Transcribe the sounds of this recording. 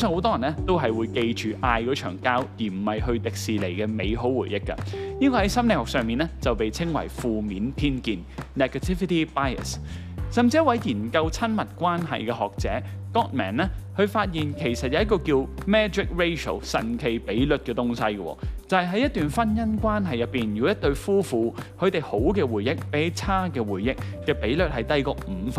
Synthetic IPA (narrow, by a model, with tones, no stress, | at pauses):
u˥sːŋho˨˥wt̪ɔː˥jɐ˨˩nːɛ˦˥t̪o˥wɦɐ˨jwuː˨˧jke˧jt͡ʃyː˨ʔaː˧jkɔː˨˥t͡ʃʰœ̰ː˨˩ŋkaː˥wjiː˨˩m̩˨˩hɐ˨jɦɵ˧ɥt̪ɪ˨k̚siː˨le˨˩jkɛ˧me˨˧jɦo˨˥wwuː˨˩jːɪ˥kːɐ̰˧ji˥kɔː˧hɐ˨˥jsɐ˥mnle˨˩hɔː˨k̚sœː˨ŋmiː˨˩nɛ˥t͡sɐ˨wpe˨jt͡sʰɪ˥ŋwɐ̰˨˩jfuː˨miː˨˥npʰiː˥nkiː˨˧nːɛ˨˩kɐ˨t̪ʰi˥fi˧ti˥paː˥jɐ̰˨s | sɐ˨mt͡si˧jɐ˥t̚wɐ˨˥jjiː˨˩nkɐ˧wt͡sʰɐ˥nmɐ˨t̚kʷaː˥nɦɐ̰˨jkɛː˧ɦɔː˨k̚t͡sɛ̰ː˨˥kɔː˥t̚mɛ̰ː˨˩nɛ˥hɵ˨˧ɥfaː˧t̚jiː˨nkʰe˨˩jsɐ˨t̚jɐ˨˦jɐ˥kːɔː˧kiː˧wmɛː˥d͡ʒɪ˨k̚ɹe˥jso̰˨˩wsɐ̰˨˩nkʰe˨˩jpe˨˥jlɵ˨t̚kɛː˧t̪ʊ˥ŋsɐ˥jɡə˧wɔ̰ː˧t͡sɐ˨˧hɐ˨jɦɐ˨˥jɐ˥t̪yː˨nfɐ˥njɐ˥nkʷaː˥nɦɐ˨jɐ˨p̚ːiː˨njyː˨˧wjɐ˥t̪̚ɵ˧ɥfuː˥fuː˧hʰɵ˨˧ɥt̪e˨jho˨˥wkɛː˧wuː˨˩jjɪ˥k̚pe˨˥t͡sʰaː˥kɛː˧wuː˨˩jːɪ˥k̚kɛː˧pe˨˥jlɵ˨t̚hɐ˨jt̪ɐ˥jkɔː˧m̩˨˧f